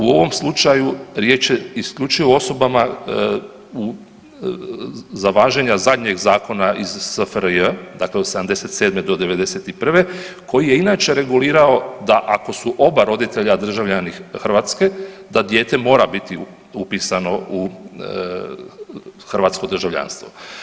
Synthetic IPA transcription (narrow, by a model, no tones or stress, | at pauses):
uo̞ʋo̞mslˠut͡ʃajuɾje̞ːt͡ʃjeiskʎʲut͡ʃijoo̞so̞bama | u | zaʋaːʒeɲazad̪ɲe̞ɡzaːko̞naʔizsəfɾəd̪akleosed̪amd̪e̞se̞t̪se̞ːd̪med̪o̞d̪e̞ʋe̞d̪e̞set̪ipr̩ʋe̞kʰo̞jije̞inaːt͡ʃe̞ɾe̞ɡuliːɾao̞d̪aʔako̞suʔo̞baɾo̞d̪it̪e̞ʎad̪r̩ʒaʋʎʲanixrʋat̪ske̞d̪ad̪je̞ːt̪e̞mo̞ːɾabit̪i | upisano̞u | xr̩ʋaːt̪sko̞d̪r̩ʒaʋʎa̰nst̪ʋo